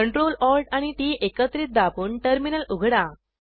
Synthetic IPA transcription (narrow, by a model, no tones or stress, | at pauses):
əɳʈɾolɔlʈaɽ̃iʈiːʔekət̪ɾiːt̪̚d̪apuːɳʈəɾminəluɡʱɽa